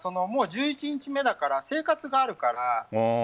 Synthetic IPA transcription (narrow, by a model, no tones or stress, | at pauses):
so̞no̞mo̞ːʑɨːit͡ɕiɲ̟it͡ɕime̞d̪akaɾase̞ːkat͡sɨɡaːɾɯ̟kaɾa